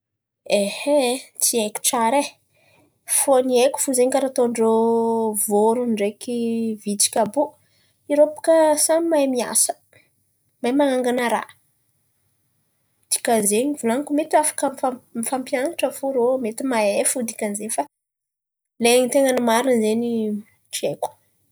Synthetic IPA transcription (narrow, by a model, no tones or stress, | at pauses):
ehet̪ieki̥ʈ͡ʂaɾe | foniekʲu̥fuzeɲkaɾat̪oɳɖ͡ʐovoɾunɖ͡ʐekivit͡si̥kʲabu | iɾopu̥kəsammajmia̰sə̥ | majmaŋaŋɡanəɾa̰ | d̪̥i̥kazeɲivulaŋkumet̪iafḁkəmfamifampianaʈ͡ʂəfoɾomet̪imaefud̪i̥kʲanzenfa | leɲit̪eŋanimaɾinzeni | ʈ͡ʂieku̥